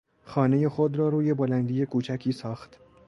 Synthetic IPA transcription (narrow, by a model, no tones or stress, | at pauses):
xɒːne̞je̞xod̪ɾɒːɾuːje̞bolænd̪iːje̞kʰuːt͡ʃʰækʰiːsɒːxt̪